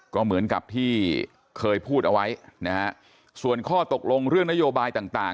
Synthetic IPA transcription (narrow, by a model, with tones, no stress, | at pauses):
kɔː˥˩mɯ˩˦ənka̰˨˩p̚t̪ʰiː˥˩ | kʰɤː˧jpʰuː˥˩t̪̚ʔa˧wa˦˥jna˦˥ha˦˥ʔ | su˨˩ənkʰɔː˥˩t̪o˨˩k̚lo˧ŋɾɯ˥˩əŋna˦˥joː˧baː˧jt̪aː˨˩ŋt̪aː˨˩